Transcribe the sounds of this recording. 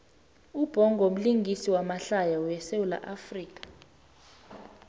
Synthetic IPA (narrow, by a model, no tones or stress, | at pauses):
ub̥ʱɔŋɡʱom̩liŋɡʱisiwamaɬajaujɛsewula̰ʔafriːk̬ʼḁ